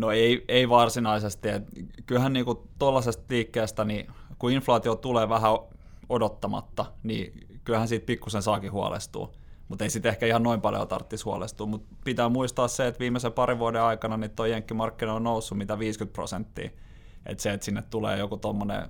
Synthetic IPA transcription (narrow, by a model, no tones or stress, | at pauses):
noeieiʋɑrsinɑisest̪iḛt̪kylhænniːkut̪olːɑsest̪liːkːeːst̪ænikuinflɑːt̪iot̪uleːʋæhæo | odot̪ːɑmɑ̰t̪ːɑnḭːkylhænsiːt̪̚pikːusensɑːkihuɑ̰lḛst̪ṵː | mut̪eisit̪ehkæihɑnnoimpɑljo̰t̪ɑ̰rt̪ːishuɑ̰lḛst̪uːmut̪pit̪æːmuist̪ɑːsseet̪ʋiːmːˑesepɑɾiʋuɑdeɑikɑnɑnit̪t̪oijeŋkːimɑrkːinɑonnousːumit̪æʋiːskyt̪̚pro̰sent̪ːḭː | ʔḛt̪seet̪sinːet̪t̪ulḛːjokut̪omːonḛ